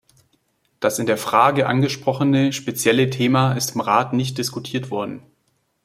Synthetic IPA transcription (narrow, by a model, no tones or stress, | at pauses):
d̥asɪndeːɐfʁ̥aːɡəʔa̰nɡəʃpʁ̥ɔχənəʃpet͡sjɛlətʰeːmaɪstɪmʁaːtnɪç̬t̚d̥ɪskutʰiːɐtv̥ɔɐdn̩